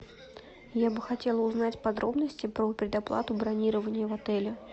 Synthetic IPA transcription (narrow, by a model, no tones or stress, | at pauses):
jabɨxɐtʲe̞lˠəʊznatʲpɐd̪ɾʔo̞bnəsʲtʲɪpɾəpʲɾʲɪd̪ɐplˠa̰t̪ʊbɾɐnʲiɾəvənʲɪjəvɐt̪ɛlʲɪ